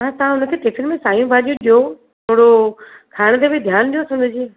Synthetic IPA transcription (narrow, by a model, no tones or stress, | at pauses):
ãt̪ɐɦãʊnə̆kʰeːʈefʰɪlmẽsaːjũbʱaːɗijũɗijo | t̪ʰoːɽo | kʰaːɽ̃d̪ebʱid̪ʱjaːnɗijosʊ̃nd̪ʱəd͡ʑiː